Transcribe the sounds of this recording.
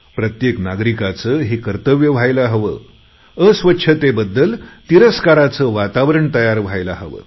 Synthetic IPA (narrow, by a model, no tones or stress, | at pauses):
pɾət̪jeknaɡɾikat͡səːɦiːkəɾt̪əʋjəʋ̤ajlaɦəʋə̰ | əsʋətːɕʰət̪ebəd̪ːəlt̪iɾəskaɾat͡səʋat̪aʋɾəɳt̪əjaɾʋ̤ʱajlaɦəʋə̰